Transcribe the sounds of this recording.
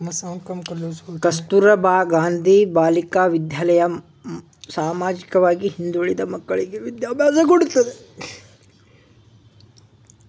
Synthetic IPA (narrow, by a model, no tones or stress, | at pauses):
ɐsɐkɐmɐusokɐst̪uɾɐbʱaːɡaːnd̪ʱibaːlikaːʋid̪jaːlɐjɐ | saːmaːd͡ʒikɐʋaːɡiɦind̪uɭid̪ɐmɐkːɐɭiɡeʋid̪jaːbʱjaːsɐkoɽut̪ːɐd̪e